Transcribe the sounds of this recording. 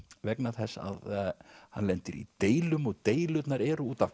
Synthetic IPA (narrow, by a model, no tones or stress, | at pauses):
vɛknaθɛsːa̰ðhanlɛnt̪ɪɾḭt̪eːjlʏmɔɣt̪eːjlʏt̪naɾɛːɾʏuːt̪av